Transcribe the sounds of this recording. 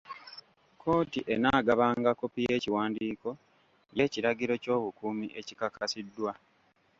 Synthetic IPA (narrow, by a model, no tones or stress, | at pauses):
kʰo̞ːtiʔenaːɡaβaːŋɡako̞pije̞ːciwaːndiːko̞ | je̞ːciɾaɡiɾo̞co̞ːβukuːmiʔe̞cikakasidːwa